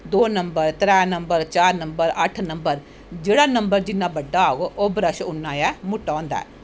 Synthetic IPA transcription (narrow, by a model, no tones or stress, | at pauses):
d̪oːnəmbəɾt̪ɾɛːnəmbəɾt͡ʃaːɾnəmbəɾəʈʰnəmbəɾ | d͡ʒeːɽaːnəmbəɾd͡ʒɪnːãːbəɖːaːoɡoʔobɾəʃʊnːãːjɛːmʊʈːãːnd̪a̰ː